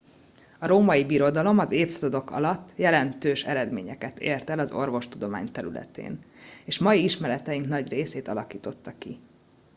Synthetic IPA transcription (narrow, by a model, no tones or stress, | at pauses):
ɒɾoːmɒjibiɾo̞d̪ɒlo̞mɒzeːfsɒd̪od̪o̞kɒ̰lɒt̪ːjɛlɛnt̪øːʃɛɾɛd̪meːɲɛkɛt̪ḛːrt̪ɛlɒzo̞̰rvo̞ʃt̪ud̪o̞ma̰ːɲt̪ɛɾy̰lɛ̰t̪ḛːneːʃmɒjiiʃmɛɾɛt̪ɛjiŋknɒɟreːseːt̪ɒlɒkiːt̪o̞t̪ːɒki